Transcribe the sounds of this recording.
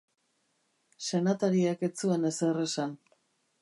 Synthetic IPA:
se̞nat̪aɾiake̞t͡suene̞sere̞san

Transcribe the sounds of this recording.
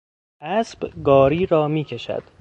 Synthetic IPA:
ʔæsb̥ɡɒːɾiːɾɒːmiːcʰeʃæ̰d̪̥

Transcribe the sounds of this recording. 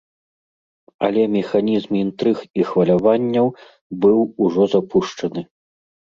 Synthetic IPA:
ɐ̰lʲɛmʲɛxanʲizmint̪ɾɨxixvɐlʲavanʲːɐw | bɨwuʐɔzapʰuʂt͡ʂɐnɨ

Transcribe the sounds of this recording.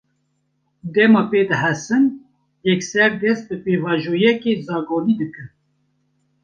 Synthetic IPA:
d̪ɛmɑːpeːd̪ɨhɛsɨn | jɛksɛɾd̪ɛst̪̚bɨpeːvɑːʒoːjɛkezɑːɡoːniːd̪ɨkɨɾ

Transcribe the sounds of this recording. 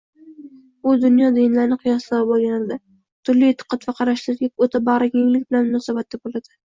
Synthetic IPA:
ʊd̪ʊnjɒd̪ɪjnlaɾnɪqʰɨjɒslaɾɪbolˠɡʲanɪld̪ɪ | t̪ʰʊɾliet̪ʰːɨ̥qʰːɑt̪vaqʰɑɾaʃlɪɾɡʲaot̪ʰabaʁɾakʲaŋlɪkʲbɪlanmʊnɒsabat̪̚ːabolad̪ɪ

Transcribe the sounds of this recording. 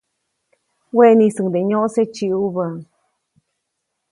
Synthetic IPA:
wenĩsɨd̪eɲõʔset͡ʃiuβəŋ

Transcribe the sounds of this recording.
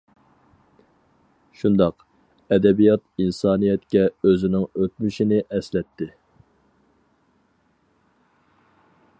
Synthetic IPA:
ʃund̪ɑq | ɛd̪ɛbijɑt̪insɑːnijɛt̪kʲɛøzɪnɪŋøt̪̚myʃinɪʔɛslɛt̪ʰːɪ

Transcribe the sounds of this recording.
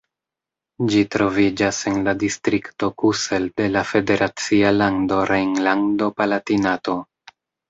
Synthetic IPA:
d͡ʒitɾo̞vid͡ʒase̞nladistɾikto̞kuse̞lde̞lafe̞de̞ɾʔat͡sialando̞ɾejŋlando̞palatinato̞

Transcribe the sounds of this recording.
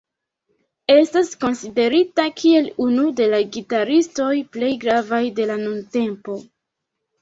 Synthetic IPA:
e̞stasko̞nside̞ɾitakʰie̞lunude̞laɡitaɾisto̞jple̞jɡɾavajde̞lanunte̞mpo̞

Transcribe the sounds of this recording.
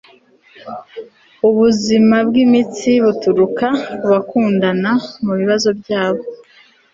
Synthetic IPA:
uβuzimab̚ɡimit͡siβutuɾukauβakuːndanamuβiβazo̞bɟaːβo̞

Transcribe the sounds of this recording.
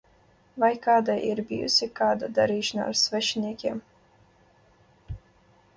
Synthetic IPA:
vajkaːd̪ajʔḭɾbʲḭjṵsʲikaːd̪ad̪aɾiːʃana̰a̰ɾsvɛʃnʲiɛkʲiɛm

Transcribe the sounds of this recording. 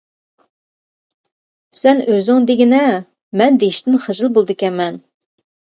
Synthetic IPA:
sɛnøzɪŋd̪eɡʲinɛ | mɛnd̪eiʃt̪ɪnχəʒɨlˠbolˠd̪ɨkʲɛmɛn

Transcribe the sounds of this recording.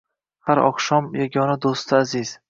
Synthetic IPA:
haɾɒ̰qʃɒmjaɡʲɒnad̪ost̪ʰɪaziz̥

